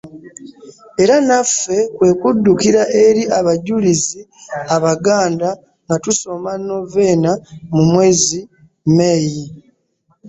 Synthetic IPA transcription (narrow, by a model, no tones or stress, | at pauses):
e̞ɾanafːe̞kwe̞ːkudːukiɾaʔe̞ɾiʔaβaɟulizi | aβaɡaːnda | ŋɡatuso̞manːo̞ve̞ːnamumwe̞ːzi | meji